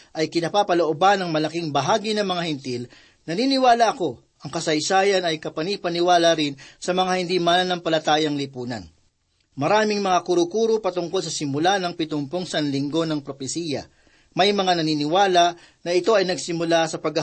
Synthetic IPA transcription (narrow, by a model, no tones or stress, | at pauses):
ʔɐjkɪnɐpapɐloʔobanɐŋmɐlɐkiŋbɐɦaːɡinɐmɐŋahɛnt̪il | nɐninɪwaːlɐʔɐko̞ | ʔɐŋkɐsɐjsaːjɐnɐjkɐpɐnipɐnɪwaːlɐɾɪnsɐmɐŋahɪnd̪imannɐmpɐlɐt̪aːjɐŋlɪpuːnɐ̰n | mɐɾaːmɪŋmɐŋakʊɾʊkuːɾopɐt̪ʊŋkols̬ɐsɪmʊlanɐŋpɪt̪ʊmpoŋsɐnlɪŋɡo̞nɐŋpɾopɛsiːjɐ̰ | mɐjmɐŋanɐniːnɪwaːlɐ | nɐɪt̪o̞ɐjnɐɡsɪmʊlasɐpɐɡɐ